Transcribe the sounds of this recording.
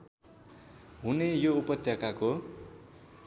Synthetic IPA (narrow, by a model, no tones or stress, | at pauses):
ɦunejoupʌt̪jʌkako